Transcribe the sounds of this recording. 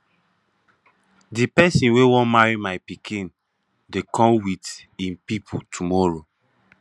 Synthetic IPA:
dipɛsĩnwewɔ̃nmaɹimajpikʰĩn | dekʰɔ̃mwitĩnpipʰutʰumɔɹo

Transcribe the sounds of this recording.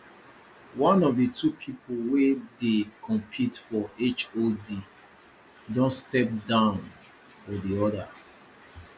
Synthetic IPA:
wɔ̃nɔvdətʰupʰipolwedekʰɔ̃mpʰitfɔet͡ʃodi | dõnstɛp̚dãʊn | fɔdiɔda

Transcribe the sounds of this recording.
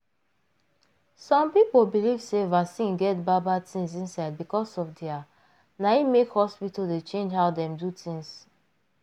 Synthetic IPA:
sɔ̃mpipolbilivsevasĩnɡɛtbabatʰĩŋs̬ĩnsaɪd̚bikɔsɔfdia | naimekhɔspitaldet͡ʃẽnd͡ʒɦaʊdɛ̃mdutʰĩŋs

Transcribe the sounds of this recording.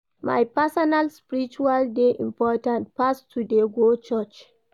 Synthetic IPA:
ma̰jpɛsɔnalspiɹit͡ʃualdeʔḭ̃mpɔtãnt̚pastʰːudeɡot͡ʃɔt͡ʃ

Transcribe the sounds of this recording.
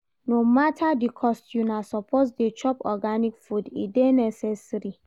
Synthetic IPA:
nomatʰadikʰɔstjunasɔpʰosdet͡ʃɔpɔɡanikfudḭdenɛsɛsɾi

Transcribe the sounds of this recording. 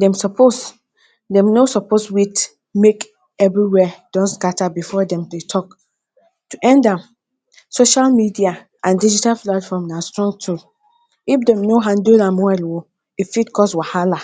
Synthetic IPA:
dɛ̃msɔpʰos | dɛ̃mnosɔposwit | mek | ɛvɹiwɛd̥ɔ̃nskatabifɔdɛ̃mtetʰɔk | tuʔɛ̃ndãm | soʃalmidia | ʔãndid͡ʒitalplatfɔmnãstɹɔ̃ŋɡtʰu | ifdɛ̃mnoɦãndulãmwɛlwo | ifitkʰɔswahala

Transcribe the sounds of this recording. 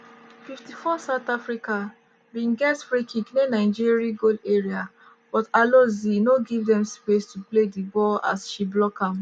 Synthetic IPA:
fiftifɔsaʊtafɹika | bĩŋɡɛsfɹekʰĩknenaɪd͡ʒiɹiaɡoleɹia | b̥ɔtalozinoɡivdɛ̃mspestupledibɔla̰sʃiblɔkãm

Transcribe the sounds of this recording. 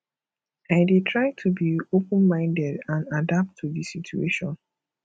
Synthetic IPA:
aɪdetʰɹaɪtʰubiopə̃nmãɪ̃ndɛdãnadap̚tʰːudisitueʃɔ̃n

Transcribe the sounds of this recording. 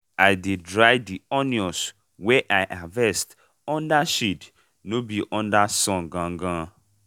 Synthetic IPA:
ajdedɹajdiɔnjɔ̃s | wɛʔaɪʔavɛst | ɔ̃ndaʃid | nobiʔɔ̃ndasɔ̃nɡãŋ̩ɡã

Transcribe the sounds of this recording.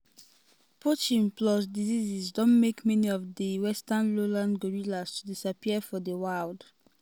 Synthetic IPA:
pʰot͡ʃĩmplɔs̬dizizisdɔ̃nmekmɛniɔfdəwɛstãnlolãnɡoɹilastudisapiəfɔdəwald

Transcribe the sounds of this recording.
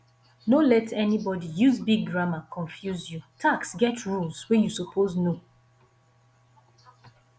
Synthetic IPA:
nolɛtʰɛnibɔdijuzbiɡ̚ɡɹamakʰɔ̃ɱfjuzjutʰaksɡɛtʰɹulswejusopʰozno

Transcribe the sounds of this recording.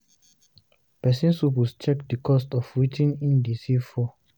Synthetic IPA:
pɛsĩnshuwist͡ʃɛkdikʰɔstɔfwitʰĩnĩndisifɔ

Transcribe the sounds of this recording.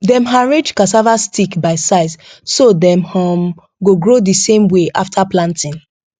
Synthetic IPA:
dɛ̃mɦaɹid͡ʒkas̬avastʰikbaɪsaɪssodɛ̃mhɔm | ɡoɡɹodisẽmweʔa̰ftʰaplãntĩn

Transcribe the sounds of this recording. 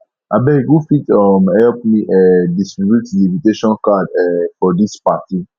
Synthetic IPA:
ʔabɛɡufitɔmhɛlp̚miʔɛdistɹibjutdiĩviteʃɔ̃nkadɛfɔdispati

